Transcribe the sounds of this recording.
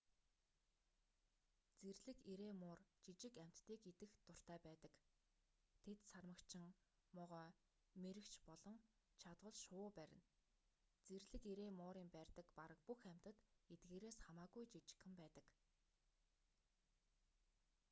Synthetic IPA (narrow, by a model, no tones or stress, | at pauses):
t͡serɮɘ̆keɾeːmʊːrt͡ɕit͡ɕɪ̆kæm̥ʲt̪ːiːket̪ɘ̆xt̪ʊr̥t̪æːpæːt̪ə̆k | t̪ʰet̪sarmə̆kt͡ɕʰɪ̆ŋ | mɔʁœː | meɾɘ̆kt͡ɕʰpɔɮɞ̆ŋ | t͡ɕʰat̪wə̆ɮʃʊːpæɾʲɪ̆n | t͡serɮɘ̆keɾeːmʊːɾiːmpærʲt̪ə̆kpaɾə̆k̚puxæm̥ʲt̪ə̆t̪et̪ɡeːɾeːsχamaːɣujt͡ɕit͡ɕɪ̥̆xɘ̆mpæːt̪ə̆k